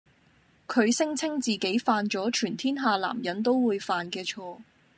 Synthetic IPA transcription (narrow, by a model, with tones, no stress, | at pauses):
kʰɵ˨˧ɥsɪ˥ŋt͡sʰɪ˥ŋt͡siː˨ke˨˥jfaː˧nt͡sɔː˨˥t͡ʃʰyː˨˩nt̪ʰiː˥nɦaː˨˧la̰ː˨˩mjɐ˨˥nt̪o˥wwuː˨˧jfaː˨˧nkɛː˧t͡ʃʰɔː˧